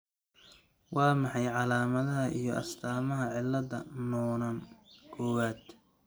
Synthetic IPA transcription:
wʔɑːmɑħɑjʕɑlaːmɐðɐɦɐʔijɞʔɐ̰st̪ʰaːmɐɦɐʕɪlːɐðɐnɔːnɐnkʰɔːwaːd̪̥

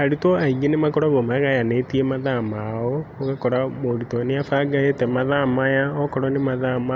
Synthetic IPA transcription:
aɾitoaiŋenemakɔɾaɣomaɣajanetiemaðamaooɣakɔɾamoɾitɔneafaɡaetɛmaðamajaɔkɔɾɔnemaðama

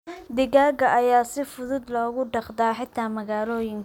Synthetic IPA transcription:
d̪ɪɣaːɡɐʔɐjaːsɪfʊðʊd̪lɔːɣʊɖɑqd̪aːħɪt̪ʰːaːmɐɣaːlɔːjɪŋk

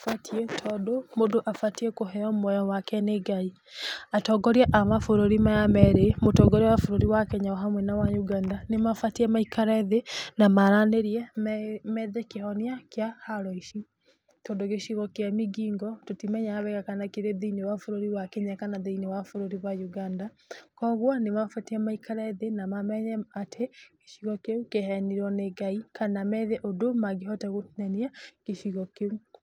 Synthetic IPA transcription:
fatʰiɛtʰɔdomodoʔafatiɛkoɦɛɔmwɛjɔwakɛneɡai | atɔɡɔɾiaʔamafoɾoɾimajamɛɾemotɔːɡɔɾewafoɾoɾiwakɛɲaɔɦamwɛnawaɲuɡandanemafatiɛmaikaɾɛðenamaɾaneɾiɛmɛðekehɔniakjahaɾɔiʃi | tondoɣeɕiɣɔkeamiɡiːŋɡɔtotimɛɲaaβɛɣakanakeɾeðeinewafoɾoɾiwakeɲakanaðeinewafoɾoɾiβajuɣandakɔɣwɔnemafatiamaikʰaɾɛðenamamɛɲɛatʰeke̥ʃiɣɔkeukehɛniɾɔneɡaikanamɛðɛʔodomaɣeɦɔtɛɣoθiɲaniakeʃiɣɔkeu

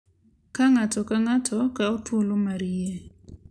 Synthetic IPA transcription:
kaŋatɔkaŋatʰɔkaɔtolomaɾie

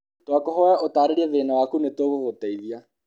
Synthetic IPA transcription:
twakoɦɔjaʔotaːɾeɾiɛβeːnawaːkunetoɣoɣotɛiðia

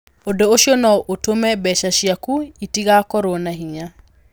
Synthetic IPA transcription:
odooʃjonɔʔotomɛbɛʃaʃjakuitiɣakɔɾonaɦiɲa

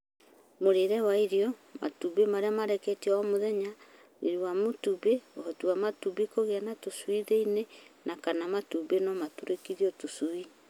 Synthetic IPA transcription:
moɾeɾɛwaiɾiɔma̰tubemaɾeamaɾɛketiɔɔmoðɛɲa | iɾiwamotubeohɔtuamatubikoɣeanatosuiðeinenakanamatubenɔmatuɾekiðiɔtosui

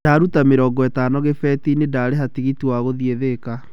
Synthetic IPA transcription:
daːɾutameɾɔːŋɡɔɛtaːnɔɣefɛːtinedaːɾeɦatiɣitiwaɣoðieðeka

